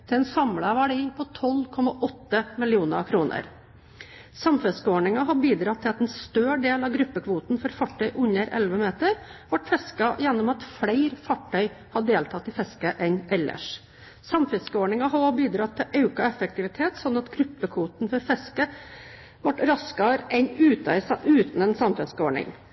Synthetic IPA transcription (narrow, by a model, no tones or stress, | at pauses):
t̪ʰɪlɛnsɑmlɑʋæɖiːpʰɔt̪ʰɔlkʰɔmɑʔɔt̪ːəmɪlɪuːnə̰ɾkʰɾuːnʔə̰ɾ | sɑmfɛskəoːɳɪŋɑɦɑbiːd̪ɾɑt̪ʰːɪlɑt̪ɛnst̪øːɖeːlɑɡɾʉpːəkʰʋuːt̪nfɔɾfɑʈʰːœʏʔʉɲəɾɛ̰lʋəmeːt̪əɾʋɑʈfɛskɑjɛnːʊmɑt̪fɽæɪɾfɑʈʰːœʏhɑɖeːlt̪ʰɑt̪ːɪfɛskəʔɛnʔɛlːə̰ʂ | sɑmfɛskəoːɳɪŋɑɦɑɔbiːd̪ɾɑt̪ʰːɪʔɑʉkɑɛfək̚t̪ɪʋɪt̪ʰeːt̪sɔnːɑt̪ɡɾʉpːəkʰʋuːt̪nfɔɾfɛskə | ʋɑʈɾɑskɑɾɛnʉːt̪ɑʉːt̪n̩ɛnsɑmfɛskəoːɳɪ̰ŋ